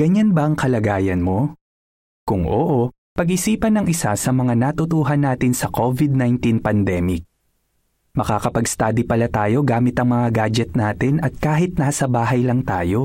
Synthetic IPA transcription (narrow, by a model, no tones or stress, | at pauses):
ɡ̥ɐɲanbɐʔɐŋkɐlɐɡaːjɐnmo̞ | kʊŋʔo̰ːʔo̞ | pɐɡʔɪsiːpɐnɐŋʔɪsasɐmɐŋanat̪ʊt̪uːɦɐnːaːt̪ɪnsɐkʰovɪd̪̚najnt̪inpɐnd̪ɛːmɪk̚ | mɐkaːkɐpɐɡst̪aːd̪ipɐlat̪aːjo̞ɡaːmɪt̪ɐŋmɐŋaɡaːd͡ʒɛt̪̚naːt̪ɪnʔɐt̪̚kaːɦɪt̪̚naːsɐbaːɦɐjlɐŋt̪aːjo̞